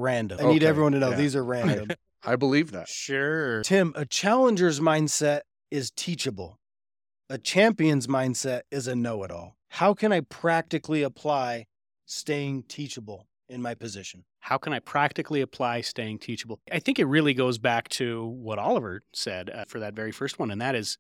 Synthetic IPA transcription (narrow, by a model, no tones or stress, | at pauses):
ɹæ̃ndɨ̃aɪniɾɛvɹiwʌ̃ntʰɨnoʊðizə˞ɹæ̃nndɨ̃m | aɪbəlivðæ̰tʃʊɹtʰɪ̃mʔɨt͡ʃʰælˠə̃nd͡ʒə˞zmãɪ̃nd̥sɛɾ | ɪz̥tʰit͡ʃɨbl̩ˠ | ɨt͡ʃʰæ̃mpiɨ̃nzmãɪ̃nd̥sɛɾɪzɨnoʊəɾɔ̰lˠ | haʊkʰɨ̃ñaɪpʰɹ̥æk̚tɨkliəpʰl̥aɪ | steɪɪ̃ŋtʰit͡ʃəbl̩ˠ | ɨ̃nmaɪpɨzɪʃn̩ | haʊkʰɨ̃ñaɪpʰɹ̥æk̚tɨkliɨpʰl̥aɪsteɪɪ̃ŋtʰit͡ʃəbl̩ˠaɪθɪ̃ŋkɨt̚ɹɪlˠiɡoʊzbæk̚tʰɨwʌɾɑlˠəvə˞sɛdfə˞ðɨtvɛɹifɜ˞st̚wʌ̃nɨ̃nðɨɾɪz̥